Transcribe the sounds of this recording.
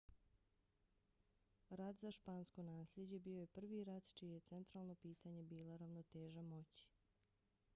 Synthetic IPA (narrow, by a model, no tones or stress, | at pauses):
ɾad̪zaʃpaːnsko̞naːslʲʎe̞d͡ʑe̞bio̞je̞pr̩ʋiɾad̪t͡ʃijeje̞tse̞nt̪ɾaːlˠno̞piːt̪aɲe̞biːloɾaʋnot̪eːʒamo̞t͡ɕi̥